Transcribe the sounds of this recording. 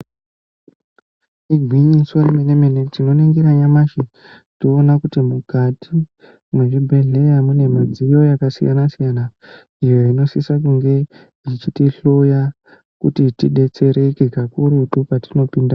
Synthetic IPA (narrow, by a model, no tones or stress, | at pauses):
iɡʱwiɲiswamenemenetino̞neŋɡiɾaɲamaʃe | toːnakutimukatʰi | mweʐibʱe̞ɮe̞jamune̞mad͡zijo̞jakasḭja̰nasijana | ijo̞ino̞sisak̬uŋɡe̞ | it͡ʃitiɬoja | kṵtitiɗe̞t͡se̞ɾekekakuɾutupatino̞pinda